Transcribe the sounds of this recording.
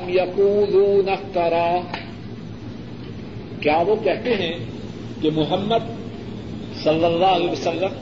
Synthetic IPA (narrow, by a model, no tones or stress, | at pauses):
mjɐquːluːnɐkt̪ɐɾaː | kjaːʋokɛɦt̪eɦɛ̃ | kemʊɦəmːəd̪ | sɐlːəlːaːɦleːʋɐsɐlːəm